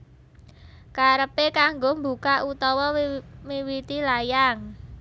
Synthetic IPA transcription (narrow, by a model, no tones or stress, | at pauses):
kaɾəpekaŋɡombṳkaʔut̪ɔwɔmiwit̪ilajaŋ